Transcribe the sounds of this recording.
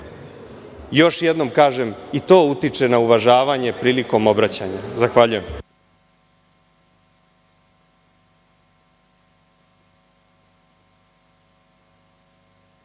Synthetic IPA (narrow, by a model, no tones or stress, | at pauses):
jo̞ʃjed̪no̞mkaːʒe̞mit̪o̞ːut̪it͡ʂe̞nauʋaʒaːʋaɲe̞pɾiːliko̞mo̞bɾat͡ɕa̰ɲazaxʋaʎuje̞m